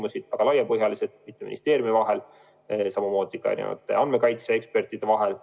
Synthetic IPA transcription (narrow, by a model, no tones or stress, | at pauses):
musid̪̥ɑɡ̥ɑlɑjɑpɤɦjɑlised̪̚mit̪ːemḭnḭst̪e̞ːɾjumivɑɦe̞l | sɑmumo̞ːd̪̥ikɑ̰j̰ɑ̰nʲiḛvɑ̰t̪ːˑḛɑn̥me̞kɑjt̪seekspe̞rt̪ːˑid̪̥e̞vɑɦel